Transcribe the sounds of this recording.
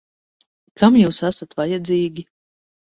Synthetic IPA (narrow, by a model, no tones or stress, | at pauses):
kʰamjuːsasat̪vajad̪ziːɡʲi